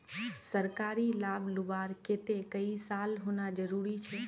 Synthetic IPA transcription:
səɾkaːɾilablʊbaːɾkeːt̪ekəisalɦonad͡ʒəɾuɾit͡ʃʰɛː

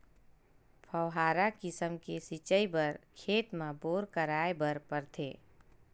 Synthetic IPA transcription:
pʰəwɦaːɾakɪsəmkesit͡ʃəibəɾkʰeːt̪mãboːɾkəɾaːebəɾpəɾt̪ʰḛː

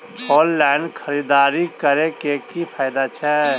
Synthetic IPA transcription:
pɔːlːɛɪnkʰəɾid̪aːɾikəɾekekipʰaːɪd̪at͡ʃʰɛ

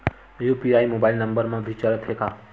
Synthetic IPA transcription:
juːpiaːimobaːɪilnɐ̃mbəɾmãbʱit͡ʃaɾət̪ʰɦekaː

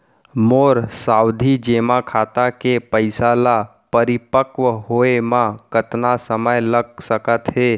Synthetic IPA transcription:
moɾsawd̪ʱid͡ʒemakʰat̪akepəɪsala | pəɾipəkʋəɦoemãkət̪nasəməjləɡ̚səkət̪ɦe

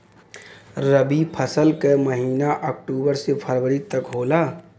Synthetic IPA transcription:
ɾəbipʰəsəlkeməɦiːnaʔəːk̚ʈuːbəɾsepʰəɾwəɾit̪əkɦoːlaː

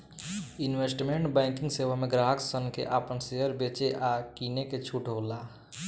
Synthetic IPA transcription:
inwesʈmeɳʈbãɪkiŋɡsewameɡɾaɦəksənkḛʔapənseɦəɾbet͡ʃeʔakineket͡ʃʰuʈɦola

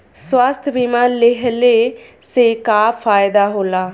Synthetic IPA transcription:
swast̪ʰbiːmãːlɪɦleː | seːkaːfʰaːjd̪aːɦoːlaː

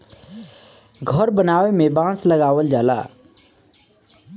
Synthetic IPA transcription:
ɡʱəɾbənaːwemẽbãːslɐɡaːʋəld͡ʒaːla̰ː

